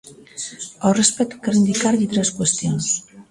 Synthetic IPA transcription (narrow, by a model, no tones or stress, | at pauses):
awrespɛt̪u̥keɾind̪ikaɾʎit̪ɾɛskwest̪jons